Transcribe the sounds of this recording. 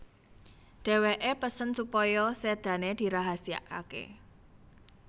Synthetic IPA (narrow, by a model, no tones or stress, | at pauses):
ɖ̥e̤weʔepəsənsupɔjɔsed̪̥ä̤ned̪̥i̤ɾaɦasia̰ʔka̰kḛ